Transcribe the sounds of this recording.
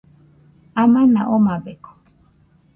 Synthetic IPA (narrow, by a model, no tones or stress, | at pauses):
amãnaʔomabeko̥